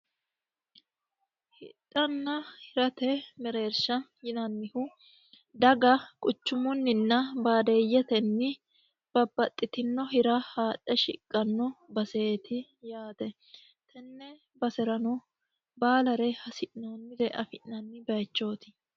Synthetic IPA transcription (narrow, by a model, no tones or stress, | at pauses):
hɪtʼːɐnːɐhɪɾɐt̪ɛmɛɾeːɾʃɐjɪnɐnːɪhʊ | d̪ɐɡɐkʼʊt͡ʃːʊmʊnːɪnːɐbaːd̪eːjːɛt̪ɛnːɪ | b̥ɐbːɐt̪ʼːɪt̪ɪnːɔɦɪɾɐhaːᶑʼːɛʃɪ̰kʼːɐnːɔbɐseːt̪ʰɪ | jaːt̪ɛ | t̪ʰɛnːɛ | bɐsɛɾɐnɔ | baːlɐɾɛhɐsɪʔnoːnːɪd̪ɛʔɐ̰fɪʔnɐnːɪbɐjt͡ʃːo̞ːt̪ɪ̥